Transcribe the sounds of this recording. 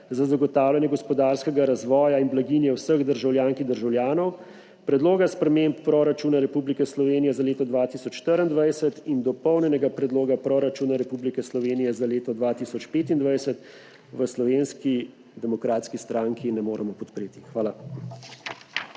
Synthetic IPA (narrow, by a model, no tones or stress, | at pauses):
zazaɡɔt̪aːwljanjɛɡɔspɔd̪aːɾskɛɡaɾazʋɔːjainblaɡiːnjɛwsəɣd̪əɾʒawljaːŋkid̪əɾʒawljaːnɔw | pɾɛd̪loːɡaspɾɛmempːɾoɾat͡ʃuːnaɾɛpublikɛslɔʋeːnijɛzaleːt̪ɔd̪ʋaːt̪isɔt͡ʃʃːt̪əɾind̪ʋajsɛt̪ind̪ɔpɔwnʲɛnɛɡapɾɛd̪loːɡapɾoɾat͡ʃuːnaɾɛpublikɛslɔʋeːnijɛzaleːt̪ɔd̪ʋaːt̪iːsɔt͡ʃpeːt̪ind̪ʋajsɛt̪ | ʋəslɔʋeːnski | d̪ɛmɔkɾaːt̪skist̪ɾaːŋkinɛmoːɾɛmɔpɔt̪pɾeːt̪i̥xʋaːla